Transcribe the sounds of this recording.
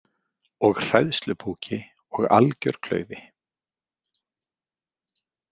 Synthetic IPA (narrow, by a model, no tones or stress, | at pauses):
ɔɣr̥ɛðst̪lʏpʰuːcʰɪ | ɔɣa̰lcœ̰ɾkʰlœ̰ːɥðɪ